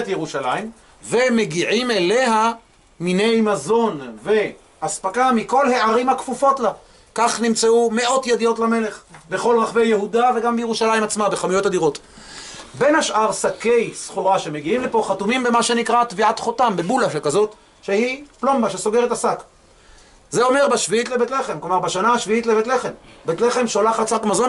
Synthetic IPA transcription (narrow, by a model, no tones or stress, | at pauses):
tjeʁuʃalaim | ve̞me̞ɡiʕimele̞ɦa | minejmazo̞nve̞ | aspakamiko̞lhe̞ʕaʁimakfufo̞tla | kaχnimt͡seume̞ʔo̞t̪jedijotlame̞le̞χbe̞χo̞lʁaχve̞jeɦudave̞ɡambeje̞ʁuʃalaimat͡smabeχamujo̞tad̪iʁo̞t | be̞nhaʃʔaʁsake̞jsχuʁaʃe̞me̞ɡiimlepo̞χatumimbemaʃe̞nikʁat̪viatχo̞tambebulaʃekazo̞t | ʃe̞hiplo̞mbaʃe̞so̞ɡe̞ʁetasak | zeo̞meʁbaʃviitlebetle̞χe̞mklomaʁbaʃanaaʃviitlebetle̞χe̞mbetle̞χe̞mʃolaχasakmazo̞n